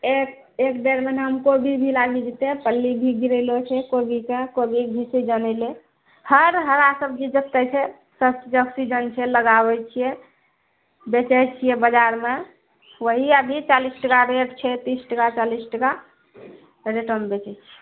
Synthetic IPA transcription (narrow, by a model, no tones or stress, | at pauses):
ek | ekd̪eɾmenɦəmkobʱibʱilaɡid͡ʒit̪epəlːibʱiɡiɾəɪlot͡ʃʰɛkobikekobibʱised͡ʒənɛɪle | həɾɦəɾasəbd͡ʒid͡ʒək̚t̪ɛt͡ʃʰɛ | sət͡ʃd͡ʒəksid͡ʒənt͡ʃʰɛləɡabɛt͡ʃʰije | bet͡ʃɛt͡ʃʰijebəd͡ʒaɾme | wəɦiəbʱit͡ʃalisʈəkaɾeɖt͡ʃʰɛt̪isʈəkat͡ʃalisʈəka | ɾeʈəmbet͡ʃɛt͡ʃʰɛ̥